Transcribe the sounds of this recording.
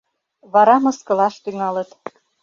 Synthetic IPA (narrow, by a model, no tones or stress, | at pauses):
βɑɾɑmɤ̆skɤ̆lɑʃt̪yŋɑlət̪